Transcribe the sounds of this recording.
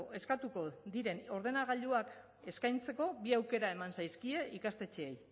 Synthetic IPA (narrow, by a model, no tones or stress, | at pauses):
e̞skat̪uko̞ðiɾe̞no̞ɾð̞e̞naɣaʎuak | e̞skajnt͡se̞ko̞biawke̞ɾae̞mansajskie̞ʔikast̪e̞t͡ʃeej